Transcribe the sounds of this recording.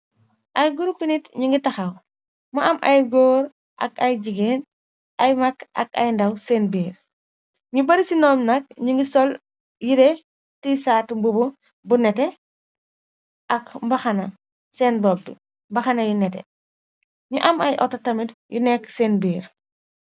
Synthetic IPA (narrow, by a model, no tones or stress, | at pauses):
ʔɐjɡuɾupinitɲiŋɡitɐxɐw | mɐʔɐmʔɐjɡɔːɾ | ʔɐ̰kɐjɟiɡeːn | ʔɐjmɐkɐ̰k̚ɐjndɐwseːnbiːɾ | ɲubɐɾisinɔːmnɐk̚ɲuŋɡisɔl | jiɾe | tisaːtmbubu | bunɛtɛ | ʔɐkmbɐxɐnɐ | sɛːnbɔb̚dḭ | mbɐxɐnɐjunɛtɛ̰ | ɲuʔɐmɐjʔɔtːɐtɐmitjunɛkseːnbiːɾ